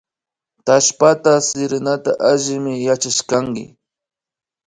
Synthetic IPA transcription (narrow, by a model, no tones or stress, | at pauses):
t̪aʃpat̪asɪɾɪnat̪a̰ʔaʒɪmɪjat͡ʃaʃkaŋkɪ̰